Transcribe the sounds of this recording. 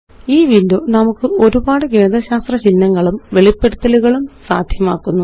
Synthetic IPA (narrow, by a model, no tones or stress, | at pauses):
iːʋindonɐmukːɨʔo̞ɾubaːɽɨk̬eːnd̪rɐɕaːst̪rɐt͡ɕinːɐŋːɐɭumʋe̞ɭipːe̞ɽut̪ːɐluɣɐɭumsa̰ːd̪ʱjɐmaːkːunːu